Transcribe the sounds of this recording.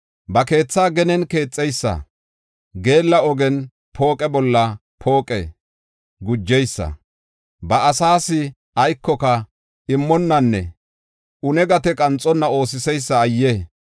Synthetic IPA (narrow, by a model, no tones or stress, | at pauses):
bɐke̞ːt͡sːaːɡɛnɛnke̞ːt͡sʼːɛjsːɐ̰ | ɡe̞ːlːɐɔɡɛn | pʰo̞ːkʼɛbɔlːɐ | pʰo̞ːkʼɛ̰ | ɡʊd͡ʒːɛjsːɐ̰ | bɐɐsaːsɪ | ɐjkːɔkɐ | ɪmːɔnːɐnːɛ̰ | ʔʊnɛɡɐt̪ɛkʼɐnt͡sʼɔnːɐo̞ːs̬ɪsɛjsːɐːjːe